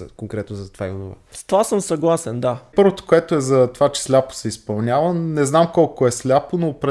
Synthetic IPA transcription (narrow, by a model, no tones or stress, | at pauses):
koŋkɾɛt̪nozɐt̪ovaḭono̰va̰st̪ovasəmsɐɡlˠasɛnd̪apɤɾvot̪o̥koɛt̪oɛzɐt̪ovat͡ʃɛ̥slʲapo̥sɛispɐlˠnʲjavənɛznamkɔlˠkoɛslʲaponopɾɛ